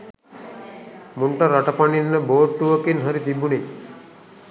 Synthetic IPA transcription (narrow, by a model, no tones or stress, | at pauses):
muɳʈəɾːaʈəpaɳinnəboːʈːuʋəkinɦəɾit̪ibuni